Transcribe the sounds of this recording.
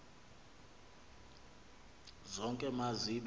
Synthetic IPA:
zɔŋkʼɛmaziɓ

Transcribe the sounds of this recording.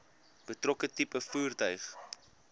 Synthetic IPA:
b̥ətrɔkətipəfuːrtœɥχ

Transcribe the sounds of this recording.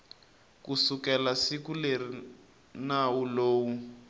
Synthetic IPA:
kusukɛlasikuleri | nawuloːwu

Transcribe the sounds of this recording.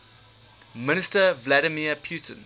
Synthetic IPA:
mɪnɪstəvlaɾəmiəpʰjuːtʰə̰̃n

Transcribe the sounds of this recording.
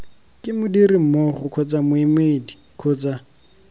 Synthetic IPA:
kʼɪmʊdiɾɪm̩mɔχʊkʰʊt͡samʊimedi̥ | kʰʊt͡sa

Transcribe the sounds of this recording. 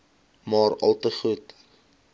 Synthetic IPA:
mɑːrɐ̰lˠtəχut

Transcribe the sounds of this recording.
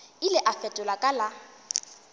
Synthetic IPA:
ɪlɪʔafɛtʼʊlakʼala

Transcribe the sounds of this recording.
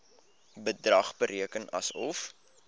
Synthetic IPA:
bədrɐχbəɾʔiəkənɐ̰sɔf

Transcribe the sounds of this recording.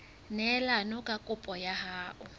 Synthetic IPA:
nɛlanɔkʼakʼʊpʼɔjahaːʔʊ

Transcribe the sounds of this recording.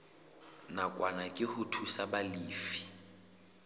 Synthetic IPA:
nakʼwanakʼɪhʊtʰusabaliːfi̥

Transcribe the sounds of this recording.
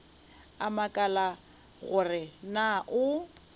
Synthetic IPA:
amakʼala | ɣʊrɪnaʔʊ

